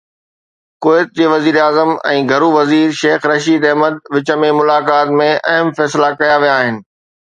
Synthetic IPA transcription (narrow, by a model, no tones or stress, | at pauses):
koːɪt̪̚d͡ʑeːʋɐziːɾaːzəmɛ̰̃ːɡʱɐɾuʋɐziːɾʃeːxɾɐʃiːd̪ɛɦməd̪̚ʋɪt͡ɕəmẽmʊlaːkaːt̪mẽʔɐɦəmfɛːslakɐjaʋijaːɦɪnɪ̆